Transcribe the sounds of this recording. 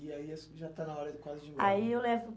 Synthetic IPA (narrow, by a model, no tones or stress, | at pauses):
ɪaiesʒat̪anɐɔɾɐkwazɪd͡ʒɪaiewlɛvʊ